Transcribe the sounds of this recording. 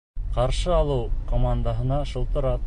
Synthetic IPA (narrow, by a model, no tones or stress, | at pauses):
qɑɾʃɤɑlˠɤwkomand̪aɦɤ̆nɑʃɤ̆lˠt̪ɤ̆ɾɑ